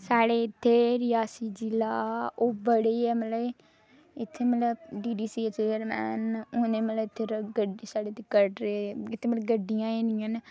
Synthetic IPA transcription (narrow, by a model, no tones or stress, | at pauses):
saːɽeːɪt̪ʰːeːɾɪjaːsiːd͡ʒɪlaːoːbəɽeɛːmələb | ɪt̪ʰːeːmələbɖiːɖiːsiːseəɾmɛ̰ːnʊːnẽːmələbɪt̪ʰːeːɾɡəɖisaːɽeːt̪ikəʈɾeɪt̪ʰːeːmələɡəɖːɪjãːeːnɪjãːn